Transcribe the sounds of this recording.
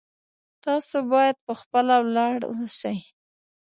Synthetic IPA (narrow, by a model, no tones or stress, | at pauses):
t̪ɑsobɑjad̪̚pəxpəlawlɑɽwoʃaj